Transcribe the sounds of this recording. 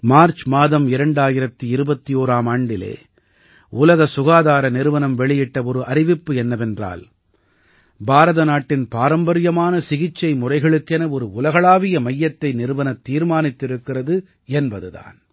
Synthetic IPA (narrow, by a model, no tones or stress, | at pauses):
maːɾt͡ʃmaːðɐmɪɾɐɳɖaːjɪɾɐt̪ːɯɪɾɯbɐt̪ːioːɾaːmaːɳɖɪlḛː | ʊlɐɣɐsʊɣaːðaːɾɐnɪɾɯʋɐnɐmʋɛɭɪjɪʈːɐɔɾɯʔɐɾɪʋɪpːɯɛnːɐʋɛndra̰ːl | bʱaːɾɐðɐnaːʈːɪnpaːɾɐmbɐɾɪjɐmaːnɐsɪɣɪt͡ʃːɐɪmʊrɐɪɣɐɭɯkːɛnɐɔɾɯʊlɐɣɐɭaːʋɪjɐmɐjːɐt̪ːɐɪnɪɾɯʋɐnɐt̪ːiːɾmaːnɪt̪ːɪɾɯkːɪrɐðɯ | ɛnbɐðɯða̰ːn